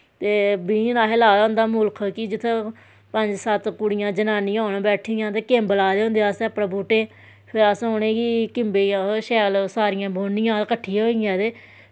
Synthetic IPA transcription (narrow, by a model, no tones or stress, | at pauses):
t̪eːbiːnaːɦeːlaːd̪aːʊnd̪aːmʊlkʰkɪd͡ʒɪt̪ʰːe | pəɲd͡ʒsət̪kʊɽɪjãːd͡ʒənaːnɪjãːɦonãːbɛːʈʰɪjãːt̪eːkeːmbəlaːd̪eːõnd̪eːaːseəpɽãːbuːʈeː | pʰɪɾəsoːɳẽːɡiːkɪmbeːjãːʃɛːlsaːɾɪjãːboːnɪ̃jãːkəʈʰːiːɦoːɪjãːt̪eː